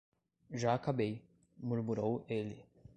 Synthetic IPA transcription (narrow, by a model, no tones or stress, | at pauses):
ʒaːkabej | muɾmuɾowelɪ